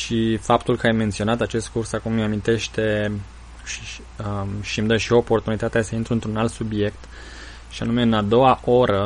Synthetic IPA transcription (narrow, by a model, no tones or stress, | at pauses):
ʃifapt̪ulkəajme̞nt̪sio̞nat̪at͡ʃe̞st̪̚kursakumːamint̪e̞ʃt̪e̞ | ʃi̥ | əʃimd̪əʃiopo̞rt̪unit̪at̪easəint̪ɾuɨnt̪ɾunalt̪subije̞kt̪ | ʃianume̞ɨnad̪o̞waʔo̞ɾə